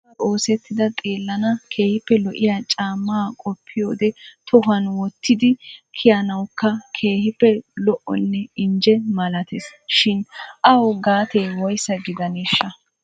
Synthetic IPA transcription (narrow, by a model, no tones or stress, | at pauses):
ɐoːsɛt̪ːɪd̪ɐt̪ʼeːlːɐnɐkʰe̞ːhɪpːɛlɔʔɪjat͡ʃʼaːmːɐːkʼɔpʰːɪjoːd̪ɛt̪ʰɔɦɐnwɔt̪ːɪd̪ɪkʰɪjɐnɐwkːɐkʰe̞ːhɪpːɛlɔʔɔ̰nːɛɪnd͡ʒɛmɐlɐt̪ɛsʃɪnʔɐwɡaːt̪eːwɔjsːɐɡɪd̪ɐneʃːɐ